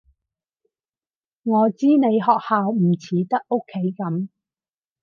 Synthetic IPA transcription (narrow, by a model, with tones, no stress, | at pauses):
ŋɔː˨˧t͡siː˥ne˨˧jɦɔː˨k̚haː˨wm̩˨˩t͡sʰiː˨˥t̪ɐ˥k̚ʔo˥kʰːe˨˥jkɐ˨˥m